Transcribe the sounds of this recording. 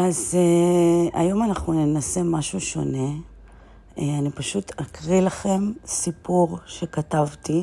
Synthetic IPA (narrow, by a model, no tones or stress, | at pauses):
ʔazea̰jo̞manaχnune̞nase̞maʃuʃo̞̰ne̞ | anipaʃutakʁilaχe̞msipuʁʃe̞katavti